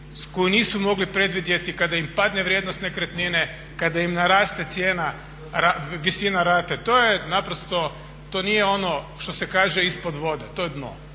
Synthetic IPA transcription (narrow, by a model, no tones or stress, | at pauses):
skojiniːsumo̞ɡlipɾe̞d̪ʋid̪je̞t̪ikad̪aimpad̪neʋɾʲjed̪nost̪ne̞kɾet̪nine | kad̪aimnaɾaːst̪e̞t̪sjeːna | ɾaʋisinaɾaːt̪et̪o̞ːjenapɾost̪o̞ | t̪o̞nijeo̞no̞ʃt̪o̞se̞kaːʒe̞ispo̞d̪ʋo̞d̪et̪o̞jed̪no̰